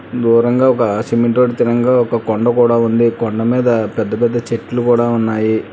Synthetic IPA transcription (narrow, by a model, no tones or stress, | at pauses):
d̪uːɾɐŋɡaːɔkɐsimiɳʈoːɽit̪iɾɐŋɡaːɔkɐkɔɳɖɐkuːɽaːund̪ikɔɳɖɐmiːd̪ɐpɛd̪ːɐpɛd̪ːɐt͡ʃeʈːlukuːɽaːunːaːji